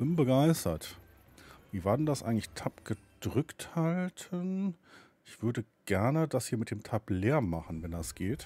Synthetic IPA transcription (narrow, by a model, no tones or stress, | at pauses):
b̥ɪnbəɡaɪstɐ̰t | viːvaːɐdɛndasʔa̰ɪɡŋ̩tlɪçtʰapɡ̥ə | d̥ʁʏkthaltʰən | ʔɪçv̥ʏɐdəɡ̥ɛɐnədashiːɐmɪt̚d̥eːmtʰapleːɐmaχn̩vɛndasɡ̥eːt